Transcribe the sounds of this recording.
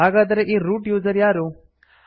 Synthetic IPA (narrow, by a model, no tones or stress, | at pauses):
aːɡaːd̪ɐɾeʔiːɾuːʈjuːzɐɾjaːɾu